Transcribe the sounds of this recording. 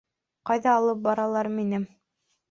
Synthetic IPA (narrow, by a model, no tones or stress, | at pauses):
qɑjðɑːlˠɤp̚bɑɾɑlˠɑɾminɘm